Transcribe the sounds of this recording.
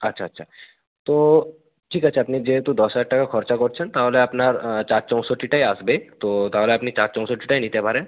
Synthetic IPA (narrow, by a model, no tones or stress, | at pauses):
ɐtːʃʰaːtːʃʰa | t̪o | ʈʰiːkɐtːʃʰaɐpnid͡ʒet̪ud̪ɔsaʈ̚ʈakakʰɔɾt͡ʃakɔɾt͡ʃʰənt̪aɦoleɐpnaɾt͡ʃaːɾt͡ʃɔ̃sɔʈiʈaːiaːsbet̪ot̪aɦoleɐpnit͡ʃaːɾt͡ʃɔ̃sɔʈiʈaːinit̪ebʱaːɾẽ